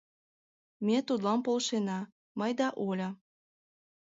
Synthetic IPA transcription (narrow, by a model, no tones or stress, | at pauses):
mʲet̪ud̪lɑmpolʃenɑ | məjd̪ɑʔolʲə̆